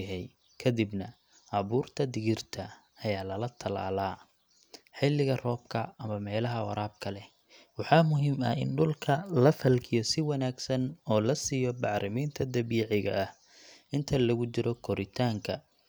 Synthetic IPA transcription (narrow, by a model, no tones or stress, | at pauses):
ɦɛj | kʰɐd̪ɪbnɐ | ʔɐβuːrt̪ʰɐd̪ɪɣɪrt̪ʰɐː | jaːlɐlɐt̪ʰɐla̰ːlaː | ħɪlɪɣɐrɔːb̚kʰɐɐmɐmɛːlɐɦɐwɑ̰ɾaːb̚kʰɐlɛ | wɑħɑːmʊɦiːmɐ̰ɪ̰nɖʊlkʰɐlɐfɐlkʰɪjɔsɪwɐnaːɡsɐnɔːlɐsijɔbɑʕɾɪmiːnt̪ʰɐd̪ɐβiːʕɪɣɐ̰ʔːh | ɪnt̪ʰɐlɐɣʊt͡ʃɪɾɔkʰɔɾɪt̪ʰaːŋkʰɐ̰